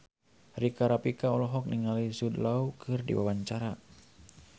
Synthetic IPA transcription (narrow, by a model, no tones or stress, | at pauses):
rikaɾapikaɔlɔɦɔk̚niŋalisudlaukʰɨrdḭwa̰waɲt͡ʃaɾa